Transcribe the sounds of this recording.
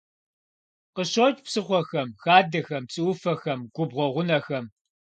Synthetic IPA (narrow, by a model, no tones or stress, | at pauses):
qəɕot͡ʃʼpsɨχʷɔxɐmxaːdɐxɐmpt͡sʼɨwʊfɐxɐmɡ̥ʷʊbʁʷɔʁʷʊnɐxɐm